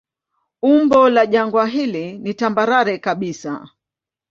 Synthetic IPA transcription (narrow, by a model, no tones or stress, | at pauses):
umbɔlaʄaŋɡwaɦilinitambaɾaɾɛkaɓisa̰